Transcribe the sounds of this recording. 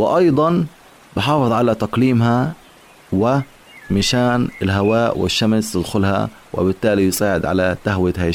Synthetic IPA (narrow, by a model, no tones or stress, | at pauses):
wɪʔɑjd̪ˤɑn | bɪħɑːfɨðˤʕalat̪ɑqliːmha | wɪ | mɪʃaːnɪlɦawaːʔwɪ̰ʃːamst̪ɪd̪xʊlha̰ | wɪ̰bɪt̪ːaːlijɪsaːʕɪd̪ʕa̰lat̪aɦwɪt̪haː